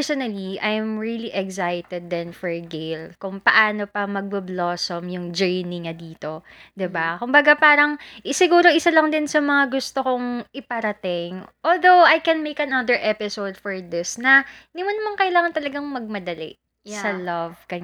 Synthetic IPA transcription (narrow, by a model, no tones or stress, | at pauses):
sonɐliʔajmɹiliʔɛɡsajt̪ɛd̪̚ːɛnfɔɹɡejlkʊŋpɐʔaːno̞pɐmɐɡ̚bɐbloːsomjʊŋd͡ʒɛɹniŋɐd̪iːt̪o̞ | d̪ɪbakʊmbɐɡapaːɾɐŋsɪɡuːɾo̞ʔɪsalɐŋd̪ɪnsɐmɐŋaɡʊst̪okoŋʔɪpɐɾɐt̪ɪŋʔoːld̪owajkɛnmejkɐnɐd̪ɛɹʔɛpɪsowd̪̚fɔɹd̪ɪsnɐnɪmɐnːɐmaŋkɐʔɪlaːŋɐnt̪ɐlɐɡɐŋmɐɡ̚mɐd̪ɐlɛ̰ | sɐlɐv̥kɐɲ